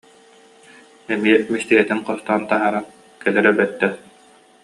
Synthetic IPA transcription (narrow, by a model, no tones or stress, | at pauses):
ɛmiɛmist̪iɡɛt̪iŋqɔst̪ɔːnt̪aɦaɾan | kɛlɛɾɛbɛt̪ːɛ